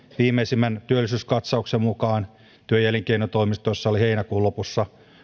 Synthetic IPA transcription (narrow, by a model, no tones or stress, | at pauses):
ʋiːmeisimːænt̪yølːisyːskɑt̪sɑuksemmukɑːn | t̪yøjæliŋkeinot̪oimist̪ojosːɑoliheinækuːlopusːɑ